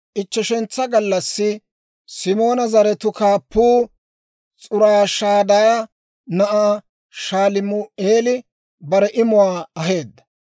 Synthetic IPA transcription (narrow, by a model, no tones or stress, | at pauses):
ʔɪt͡ʃːɛʃɛnt͡sːɐɡɐlːɐsːɪ | sɪmo̞ːnɐzɐɾɛt̪ʊkaːpːuː | t͡sʼʊɾaːʃaːd̪ɐjɐ | nɐʔaː | ʃaːlɪmʊeːlɪ | bɐɾɛʔɪmʊwaːɐɦe̞ːd̪ːɐ̥